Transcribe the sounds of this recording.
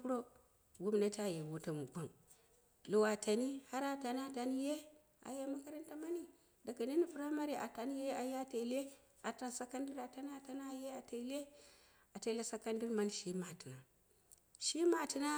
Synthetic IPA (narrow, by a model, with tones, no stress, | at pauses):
ku˦ɾo˦ | ɡu˦m˨na˦ta˦˨je˨wu˦ta˨mu˨ka˨n | lo˨wa˨ta˨ni˦ha˦ɾa˦ta˨n˦a˦˨ta˨ni˦je˦ | a̰˨je˦ma˦ka˦ɾa˦nta˦ma˦ni˦ | da˨ka˨ni˦ni˦pu˨ɾa˦ma˦ɾi˨ʔa̰˨ta˨ni˦je˦a˨je˦a˦te˨le˦ | a˨ta˨nsa˦ka˦ndi˦ɾa˨ta˦n˦a˨ta˦n˦a˦˨je˦a˨te˨˦le˦ | a˨te˨le˦sa˦ka˦ndi˦ɾma˦n˨ʃi˦ma˨ti˨na˨ | ʃi˦ma˨ti˨na˦